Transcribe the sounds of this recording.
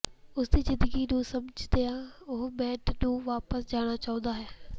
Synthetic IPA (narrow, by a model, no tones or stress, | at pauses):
ʊsd̪iːzɪ̃nd̪əɡiːnũːsəmd͡ʒd̪eaːʊɦbɛːʈnũːʋaːpəsd͡ʒaːɽ̃aːt͡ʃaːõːnd̪aːɦɛː